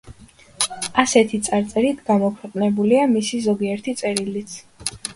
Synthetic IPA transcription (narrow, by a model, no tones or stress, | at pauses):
asɛt̪ʰit̪sʼaɾt̪sʼɛɾit̪ʰɡamɔkʰɛqʼnɛbuliamisizɔɡiɛɾt̪ʰit̪sʼɛɾilit̪sʰ